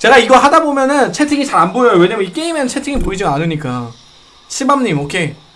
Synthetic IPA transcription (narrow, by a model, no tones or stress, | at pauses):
t͡ɕe̞ɡaiɡʌɦadabomjʌnɯnt͡ɕʰe̞tʰiŋit͡ɕaɾanboʌjowe̞ɲamjnik͈e̞imjenɯnt͡ɕʰe̞tʰiŋipoid͡ʑiɡaanɯɲik͈a | ɕʰɯbamɲimokʰe̞